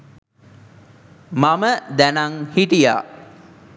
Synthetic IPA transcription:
maməd̪ænaŋhiʈija̰

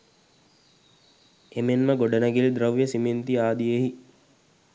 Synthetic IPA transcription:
emenməɡoɖənəɡelid̪ɾəʋjəsiment̪iaːd̪ijeɦi

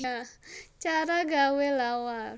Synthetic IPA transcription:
at͡ʃaɾaɡawelawar

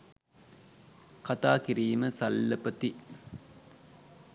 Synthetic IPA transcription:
kɐt̪aːkiɾiːməsɐlːɐpɐt̪i

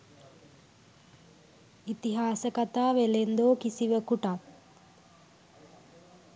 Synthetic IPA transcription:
it̪iɦaːsəkat̪aːʋelend̪oːkisiʋəkuʈat̪̚

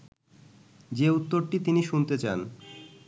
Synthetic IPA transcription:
d͡ʑeut̪ːoɾʈit̪iniʃunt̪et͡ɕan

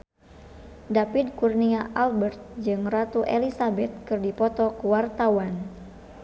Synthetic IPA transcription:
dapid̚kurniaʔalbərt̪̚d͡ʒɨŋrat̪uʔelisabɛt̪̚kɨrdipɔt̪ɔkuwart̪awan

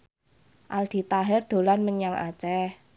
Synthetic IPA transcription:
ʔald̪̥i̤t̪aɦɪrd̪̥o̤lanməɲaŋʔa̰t͡ʃɛh

